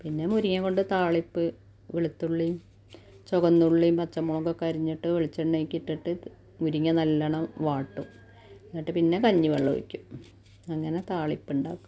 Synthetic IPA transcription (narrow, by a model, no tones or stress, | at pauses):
pinːe̞muɾiŋːɐko̞ɳɖɨt̪aːɭipːɨ | ʋiɭut̪ːuɭːijum | t͡ɕoɣɐnːuɭːijumpɐt͡ɕːɐmːoːŋɡɐkːɐɾiɲːiʈːɨʋeɭit͡ɕːɐɳːeikʲːiʈːiʈːɨ | muɾiŋːɐnɐlːɐɳɐmʋaːʈːum | inːiʈːɨpinːe̞kɐɲːiʋeɭːɐ̰ʋḭkʲːum | ɐŋːɐne̞t̪aːɭipːuɳɖa̰ːkː